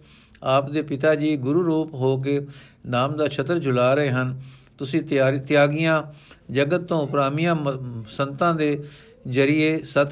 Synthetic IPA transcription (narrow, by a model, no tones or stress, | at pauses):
aːpd̪eːpɪt̪aːd͡ʒiːɡʊɾuːɾuːpɦoːk̬eːnaːmd̪aːt͡ʃʰət̪ɾd͡ʒʊlaːɾəɦeːɦənt̪ʊsĩːtːt̪ɪjaːɡɪjãːd͡ʒəɡət̪ːõːpɾaːmɪjãːsənt̪ãːd̪eː | zəɾɪeːsət̪